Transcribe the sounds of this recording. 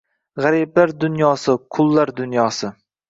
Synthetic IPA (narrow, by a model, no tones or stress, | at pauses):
ʁaɾiblaɾd̪ʊnjɒsɪqʰʊlˠːaɾd̪ʊnjɒsɪ